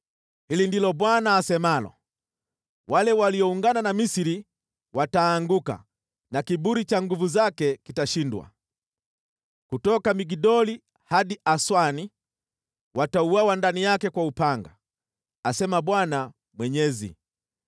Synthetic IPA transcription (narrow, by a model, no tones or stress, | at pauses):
hilindilɔbwanaːsɛmalɔ̰ | walɛwaliɔuŋɡananamisiɾi | wataːŋɡuka̰ | nakibuɾit͡ʃaŋɡuvuzakɛkitaʃindwa̰ | kutɔkamiɡidɔli | haɗiʔaswani | wʔatauawandanijakɛkwaupaŋɡa̰ | asɛmaɓwana | mwɛɲɛzḭ